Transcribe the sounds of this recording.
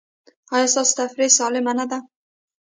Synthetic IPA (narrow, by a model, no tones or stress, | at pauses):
ajɔsɒst̪afɾesɑlɪmanad̪a